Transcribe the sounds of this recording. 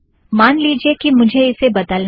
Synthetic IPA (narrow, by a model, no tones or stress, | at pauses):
maːnliːd͡ʒiekimʊd͡ʒʱeɪsebɐd̪əln